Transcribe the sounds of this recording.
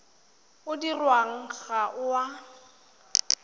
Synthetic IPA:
ʊdirwaŋ̩ɣaʔʊwa

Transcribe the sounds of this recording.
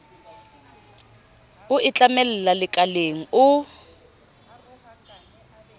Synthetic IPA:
ʊit͡ɬʼamɛlɛlalɪkʼaleŋ̩ʊ

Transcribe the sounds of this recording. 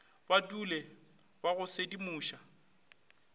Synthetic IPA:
batʼulɛ | baɣʊsedimuːʃa

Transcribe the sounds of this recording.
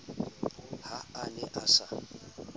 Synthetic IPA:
haanɛʔasa

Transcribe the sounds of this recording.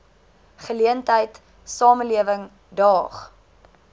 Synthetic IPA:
χəliəntəjt | sɑːməliəvəŋ | dɑːχ

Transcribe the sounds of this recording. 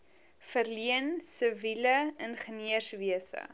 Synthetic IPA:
fərliənsəviləənχəniəsviəsə̰

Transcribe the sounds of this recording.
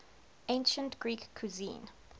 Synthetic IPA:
ẽnʃə̃ntɡ̥ɹiːkʰːuzḭ̃ːn

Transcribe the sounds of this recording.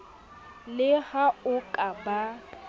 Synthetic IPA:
lɪhaʊkʼaba

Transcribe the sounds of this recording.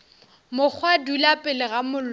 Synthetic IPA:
mʊk͡xʰwadulapʼɪlɪɣamʊl

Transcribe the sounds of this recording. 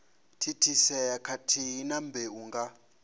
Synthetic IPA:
tʰitʰisɛakʰatʰinambʱɛuŋɡa

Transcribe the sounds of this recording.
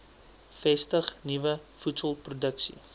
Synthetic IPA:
fɛstəχnivəfutsəlˠprudəksḭ

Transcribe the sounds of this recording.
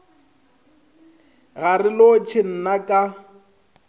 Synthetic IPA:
ɣarɪlot͡ʃʰɪn̩nakʼa

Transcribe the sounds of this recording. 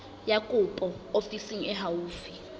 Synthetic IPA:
jakʼupʼɔofisiŋ̩ɛɦawuːfi

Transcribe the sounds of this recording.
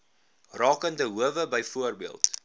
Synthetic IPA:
rɑːkəndəɦuəvəbəjfuərbiəlˠt

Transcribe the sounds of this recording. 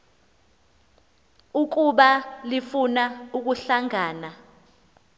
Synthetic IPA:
uk̬uɓalifunauk̬uɬaŋaːna

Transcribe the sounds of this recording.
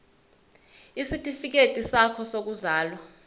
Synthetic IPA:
isitʼifik̬etʼisakʰɔsok̬uzaːlwa

